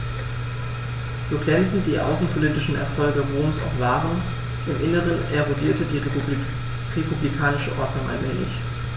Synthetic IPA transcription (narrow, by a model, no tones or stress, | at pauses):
z̥oːɡlɛnt͡sn̩t̚d̥iːʔa̰ʊsn̩pʰolitɪʃn̩ɛ̰ɐfɔlɡəʁoːmsa̰ʊxv̥aːʁən | ʔɪmʔɪnəʁənʔɛʁodiːɐtədiː | ʁepʰublikʰaːnɪʃəʔɔɐdnʊŋʔa̰lmɛ̰ːlɪ̰ç